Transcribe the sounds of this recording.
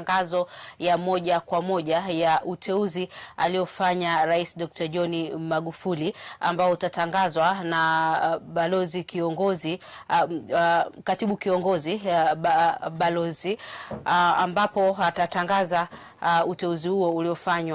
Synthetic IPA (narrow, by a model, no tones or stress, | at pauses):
ŋɡazɔjamɔʄakwamɔʄajaʔutʰɛuzia̰lijɔfaɲaɾaisiɗɔk̚taʄɔnimaɠufulia̰mbaɔutataŋɡazwanaɓalɔzikiɔŋɡɔzi | katiɓukiɔŋɡɔzi | ɓalɔzi | a̰mbapɔatataŋɡaza | utɛuzihuɔuliɔfaɲwa